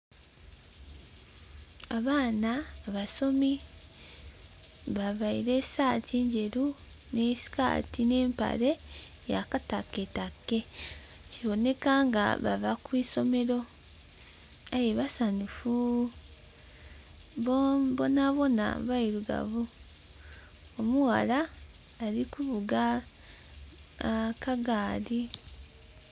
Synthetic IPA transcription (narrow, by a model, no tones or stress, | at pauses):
aβaːnaːβaso̞mi | βaβaiɾe̞̥saːtʰeːɲɟe̞ɾu | ne̞si̥ka̰ːtine̞ːmpa̰ɾe̞ | ja̰kataketakːe̞ | ciβo̞ne̞kaŋɡa̰βa̰vakwiːso̞me̞ɾo̞ | ajeβasanufu | βoβonaβo̞na̰βaiɾuɡa̰βu | omuwa̰laː | ɾikuβuɡa | kaɡaːɾi